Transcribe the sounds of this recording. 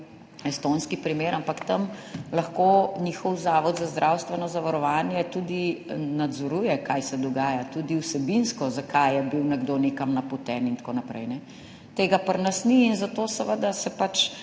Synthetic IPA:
ɛst̪onskipɾimeːɾʔampakt̪əmlɐxkonixɔwzaːʋɔd̪zazd̪ɾʔawst̪ʋɛnɔzaʋaɾɔʋaːnjɛt̪uːd̪inad̪zɔɾujɛkajsɛd̪ɔɡaːjat̪uːd̪iwsɛbinskɔzakʰajɛbiwnɛɡd̪oːnekamnɐpɔt̪ɛːnint̪konapɾɛ̰jnɛ | t̪eːɡapəɾnɐsniːnzat̪oːsɛʋəd̪asɛpat͡ʃ

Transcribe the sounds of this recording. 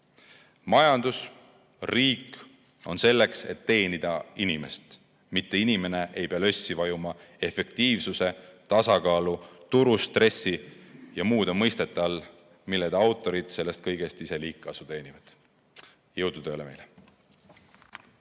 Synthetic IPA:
mɑjɑnd̪̥us | riːk | o̞̰nse̞lːe̞kse̞̰t̪ːe̞ːnid̪̥ɑinime̞̰st̪ | mit̪ːe̞inime̞ne̞ʔe̞jpeɑlø̞sʲːivɑjumɑ | e̞fe̞k̚t̪iːvsuse̞t̪ɑsɑkɑːlut̪uɾust̪re̞sːijɑmuːd̪emɤjst̪e̞t̪ːˑɑl | milːed̪ɑwt̪ːˑo̞ɾid̪̥se̞lːe̞st̪̚kɤjɡ̥e̞st̪ise̞liːkːˑɑsut̪e̞ːnivɑd̪̥ | jɤwd̪̥ud̪eoleme̞jle

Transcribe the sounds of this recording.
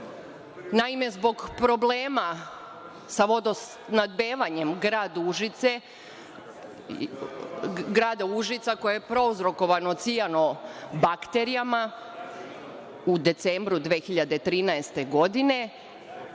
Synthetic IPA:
naime̞zbo̞ɡpɾo̞ble̞ːma | saʋo̞d̪os | nad̪̚be̞ːʋaɲe̞mɡɾaːd̪uʒit̪se | ɡɾaːd̪auʒit̪sako̞jeepɾo̞uzɾo̞ko̞ʋano̞t̪sijano̞bakt̪e̞ɾijama | ud̪e̞t̪se̞mbɾud̪ʋeːxiʎad̪e̞t̪ɾiːnaest̪e̞ɡo̞d̪ine̞

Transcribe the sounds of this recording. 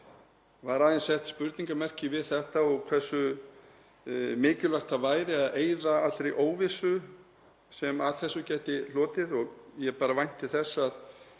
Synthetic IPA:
vaɾaːðɪnsɛht̪spʏɾt̪niŋkamɛr̥cɪvɪðθɛht̪aɔɣkʰv̥ɛsːʏ | mɪːcɪlaxt̪avaːjɾɪaðeːjðaat̪t̪ɾejʔoːwvɪsʏ | sɛmaðθɛsːʏcɛːt̪ɪlɔːt̪ɪðɔɣjɛpaːɾavajn̥t̪ɪθɛsːað

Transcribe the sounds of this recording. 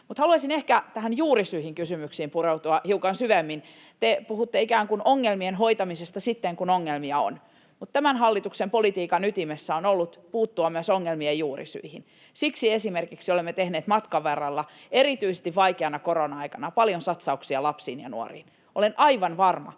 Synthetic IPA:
mut̪hɑluɑsinehkæt̪æhænjuːrisyihiŋkysymyksiːmpureut̪uɑhiukɑnsyʋemːin | t̪epuhut̪ːeikæːŋkunoŋːelmienhoit̪ɑmisest̪ɑsit̪ːeŋkunoŋːelmiɑo̰n | mut̪t̪æmænhɑlːit̪uksempolit̪iːkɑnyt̪imesːæonolːut̪puːt̪ːuɑmyæsoŋːelmiejjuːrḭsy̰ihin | siksiesimerkiksiolemːet̪ehneːt̪mɑt̪kɑʋerːɑlːɑ | erit̪yise̥st̪iʋʋɑikeɑnɑkoronɑɑikɑnɑpɑljonsɑt̪sɑuksiɑlɑpsiːnjɑ̰nṵo̰rḭːn | olenʔɑiʋɑnʋɑrmɑ̰

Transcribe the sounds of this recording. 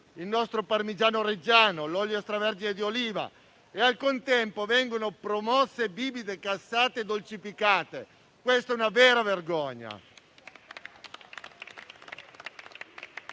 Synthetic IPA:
ilnɔst̪ɾoparmid͡ʒaːnoɾed͡ʒaːnolɔljost̪ɾavɛrd͡ʒined̪ioliːva̰ | ealkont̪ɛmpovɛŋɡonopɾomɔsːebiːbid̪ekasːaːt̪ed̪olt͡ʃifikaːt̪e | kwest̪ɛunavɛːɾaverɡɔɲːa̰

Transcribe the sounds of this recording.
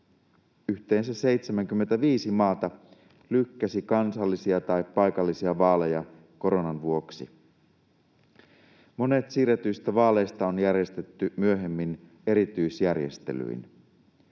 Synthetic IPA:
yht̪e̞ːnsæse̞jt̪semæŋk̟ymːe̞nt̪æʋiːsimɑːt̪ɑ | lykːæsikɑnsɑlːisiɑt̪ɑjpːɑjkɑlːisiɑʋɑːle̞jɑ | ko̞ɾo̞nɑnʋuo̞ksḭ | mo̞net̪siːɾet̪yist̪æʋɑːle̞jst̪ɑonjærjest̪et̪ːymyøɦe̞mːin | e̞ɾit̪yjsjærjest̪e̞̰ly̰in

